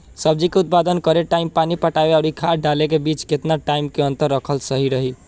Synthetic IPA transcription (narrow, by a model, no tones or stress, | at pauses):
səb̚d͡ʒikeut̪̚pad̪ənkəɾeʈaimpanipəʈabeaʊɾikʰaɖalek̬ebit͡ʃket̪naʈaimkeənt̪əɾːəkʰəlsəɦiɾəɦi